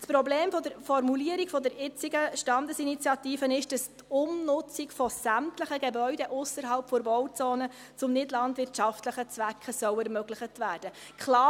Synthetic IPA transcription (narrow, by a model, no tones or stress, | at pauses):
spɾɔbleːmfɔdəɾfɔɾmuliəɾikfɔdəɾɪt͡siɡəʃtɑndəsinit͡sijɑtiːfənɪʃd̥ɑstʊmnʊt͡sikfɔsæmtləχəɡebœʏdɛʔʊsəɾɦɑlpfoɾbɔwt͡soːnə | t͡sʊmnɪdlɑndʋɪrtʃɑftləχət͡sʋækʰəsœʊɛɾmøɡlɪχətʋæːɾd̥ə | kʰχlɑː